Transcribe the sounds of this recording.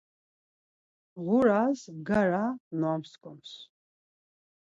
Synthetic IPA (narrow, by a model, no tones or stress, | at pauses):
ʁʊɾaːzɡaɾanuamskʰʼɔms